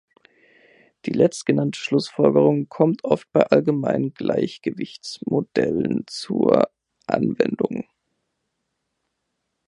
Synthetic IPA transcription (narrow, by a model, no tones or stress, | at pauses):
d̥iːlɛt͡stɡ̥ənantʰə̥ʃlʊsfɔlɡəʁ̞ʊŋkʰɔmtʔɔft̚b̥aɪʔalɡəmaɪnənɡla̰ɪçɡ̥əvɪçt͡smod̥ɛlənt͡suɐ | ʔa̰nvɛ̰ndʊŋ